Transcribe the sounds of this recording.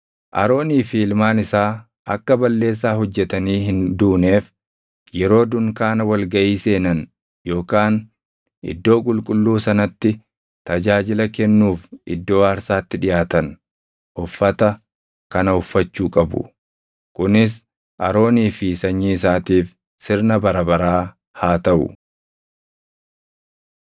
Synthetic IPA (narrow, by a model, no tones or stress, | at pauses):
ʔɐ̰ɾo̞ːniːfilmaːnɪsaː | ɐ̰kːɐbɐlːe̞ːs̬ːaːɦɔd͡ʒːɛt̪ɐniːɦɪnd̪uːneːf | jɛɾo̞ːd̪ʊŋkaːnɐwɐlɡɐʔiːse̞ːnɐn | jo̞ːkaːn | ʔɪ̰d̪ːo̞ːkʼʊlkʼʊlːuːsɐnɐt̪ːɪ | t̪ɐd͡ʒaːd͡ʒɪlɐkɛnːuːfɪd̪ːo̞ːɐɾsaːt̪ːɪᶑɪjʔaːt̪ɐn | ʔʊfːɐt̪ɐ | kɐnɐʊfːɐt͡ʃːuːkʼɐbʊ̰ | kʊnɪs̬ | ʔɐɾo̞ːniːfɪsɐɲːiːɪsaːt̪iːf | sɪɾnɐbɐɾɐbɐɾaː | haːt̪ɐʔʊ̰